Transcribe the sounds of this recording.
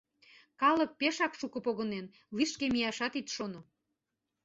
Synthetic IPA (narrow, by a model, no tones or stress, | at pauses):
kɑlə̆k̚peʃɑkʃukɤ̆poɣənen | liʃkemijɑʃɑt̪it̪ʃono